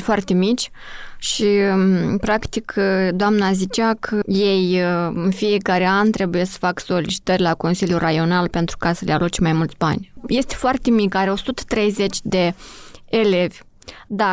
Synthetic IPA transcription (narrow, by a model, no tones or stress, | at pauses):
foart̪e̞mit͡ʃʲ | ʃipɾakt̪ikʰd̪oamnazit͡ʃakʰəje̞jɨnfije̞kaɾe̞ant̪ɾe̞buje̞sə̥fakso̞lit͡ʃi̥t̪ərʲlako̞nsiljurajo̞nalpe̞nt̪ɾukasəlealut͡ʃmajmult̪sʲba̰nʲje̞st̪e̥foart̪e̞mikaɾeo̞sut̪ə̥t̪ɾe̞jze̞t͡ʃʲd̪e̞ː | le̞vʲ | d̪a